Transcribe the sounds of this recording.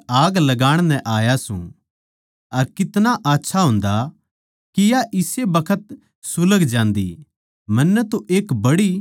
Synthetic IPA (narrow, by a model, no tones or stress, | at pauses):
aːɡlɐɡaːɽ̃nɛ̃ʔaːjasṵ̃ | ɐɾkɪt̪naʔaːtːʃʰaɦʊ̃ːnd̪a | kijaʔɪsebɐkʰət̪ | sʊləɡd͡ʒãːnd̪ḭ | mɐnːɛt̪oʔeːkbɐɽi